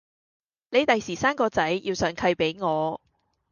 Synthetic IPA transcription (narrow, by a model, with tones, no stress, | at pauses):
ne˨˧jt̪ɐ˨jsiː˨˩saː˥mkɔː˧t͡sɐ˨˥jjiː˧wsœː˨˥ŋkʰɐ˧jpe˨˥jŋɔː˨˧